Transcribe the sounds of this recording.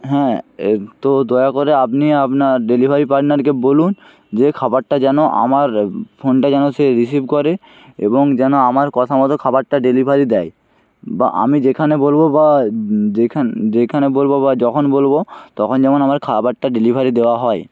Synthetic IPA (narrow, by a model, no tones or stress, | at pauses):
ɦɛ̃et̪od̪ɔeakoɾeapniapnaɖelibʱaɾipaɾʈnaɾkebolun | d͡ʑekʰabaʈʈad͡ʑɛnoʔa̰maɾpʰonʈad͡ʑɛnoseɾisibkɔɾe | ḛboŋd͡ʑɛnoamaɾkɔt̪ʰamɔt̪okʰabaʈ̚ːaɖelibʱaɾid̪ɛj | ba̰ʔa̰mid͡ʑekʰanebolbobad͡ʑekʰad͡ʑekʰanebolbobad͡ʑɔkʰonbolbot̪ɔkʰond͡ʑɛmonamaɾkʰabaʈʈaɖelibʱaɾid̪eoaɦɔe